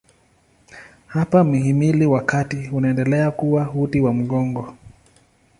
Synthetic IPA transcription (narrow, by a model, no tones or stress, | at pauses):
hapamiɦimiliwakatiunaɛndɛlɛakuwahutiwam̩ɠɔŋɡɔ